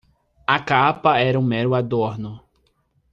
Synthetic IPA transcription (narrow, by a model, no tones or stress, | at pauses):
akapɐɛɾɐũmɛɾʊad̪oɾnʊ